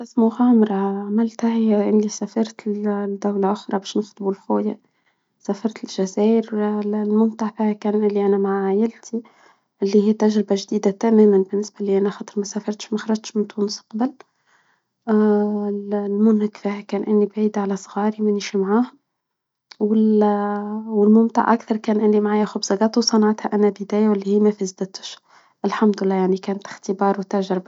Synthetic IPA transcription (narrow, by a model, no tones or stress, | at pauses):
ʔɪsmʊɣɑːmɾˤɑʕamɪlt̪hahiæʔɪnːisæfɑɾˤt̪d̪ːawlaʔʊxɾˤɑbæːʃnɪxt̪ˤbulxoːja | sæfɑɾˤt̪ɪlʒæzæːʔəɾlmʊnt̪aʕfiːhækæːnʔɪlːiʔænæmaʕajɪlt̪ʰi | ʔɪlːihiːt̪ʔæʒɾɪbaʒd̪iːd̪at̪æmæːmænbɪnːɪsbaliʔænæxɑt̪ˤəɾmæsæfɑɾˤt̪ʃmæxɑɾˤɑʒt̪ʃmɪnt̪uːnsqɑbəl | lmʊnhɪkfihækæːnʔɪnːibʕiːd̪ʕalæsˤɣɑːɾimæniʃimʕaːh | wɪl | wɪlmʊmt̪ɑ̰ʕʔakθɑɾˤkæːnʔɪlːimʕaːjæxʊbzɑɡɑːt̪wsˤɑnɑʕɑt̪hæʔænæbəd̪æːjæwɪlːihiːmæfæzd̪æt̪ə̥ʃ | ʔɪlħamd̪ɪlːæːjaʕnikæːnt̪ɪ̥xt̪əbɑːɾˤwt̪æʒɾɪba